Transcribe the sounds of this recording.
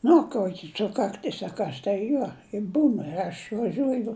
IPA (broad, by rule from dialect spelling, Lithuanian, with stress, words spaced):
ˈnʊ ˈkuɔkʲɪ ˈsʊkɐkˈtʲɪs ɐ ˈkɐs tɐɪ ˈjuɔ ɪ ˈbuːn ɪr ɐʃ ʋɐˈʒʲuɔjʊ